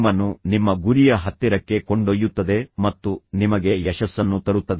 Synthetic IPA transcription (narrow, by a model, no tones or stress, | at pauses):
mɐnːunimːɐɡuɾijɐɦɐt̪ːiɾɐkːe̞koɳɖojːut̪ːɐd̪e̞mɐt̪ːunimɐɡe̞jɛʃɐsːɐnːut̪ɐɾut̪ːɐd̪e